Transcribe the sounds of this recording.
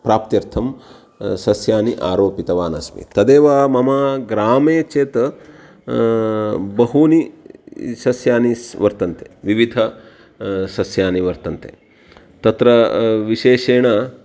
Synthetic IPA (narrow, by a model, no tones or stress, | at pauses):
pɾaːp̚t̪jɐɾt̪ʰɐm | sɐsjaːniʔa̰ːɾoːpit̪ɐʋaːnɐ̰smḭt̪ɐd̪eːʋaːmɐmaːɡɾaːmeːt͡ʃeːt̪ɐ | bɐɦuːni | sɐsjaːnisʋɐɾt̪ɐnt̪eʋiʋid̪ʱɐ | sɐsjaːniʋɐɾt̪ɐnt̪ḛ | t̪ɐt̪ɾɐʋiʃeːʃeːɳɐ